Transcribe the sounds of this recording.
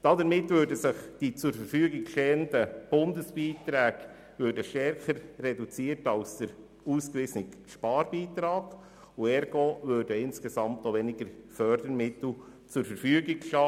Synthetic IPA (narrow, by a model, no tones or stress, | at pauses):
d̥ɑdəɾmɪtʋøːɾdəsɪχd̥it͡sʊɾfəɾfyəɡɪkʃtɛːəndəb̥ʊndəsb̥iːtɾæːɡ̥ | vøːɾdəʃtɛɾχəɾːɛdut͡siːəɾtɑlsd̥əɾ | uːskʋɪsnɪkʃpɑːɾbiːtɾɑːɡ | uɛɾɡoːʋøɾdəɪnskesɑmtnoʋɛnɪɡəɾfœɾd̥əɾmɪtl̩ˠ | t͡sʊɾfəɾfyəɡɪɡʃɑ